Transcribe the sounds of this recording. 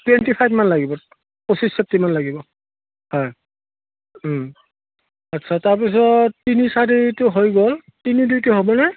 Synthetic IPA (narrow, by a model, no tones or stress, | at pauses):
twentipʰajbmanlaɡibɔ | posissep̚timanlaɡibɔ | hɔj | atːsʰataɹp̬is̬ɔtːinisaɹitʊɦojɡol | tinidujtʊɦobɔnaj